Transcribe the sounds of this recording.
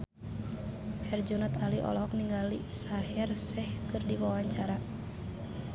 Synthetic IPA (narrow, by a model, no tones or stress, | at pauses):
hɛrd͡ʒɔnɔt̪aliʔɔ̰lɔɦɔk̚niŋɡalisaɦɛrsɛhkɨrdiwawaɲt͡ʃaɾa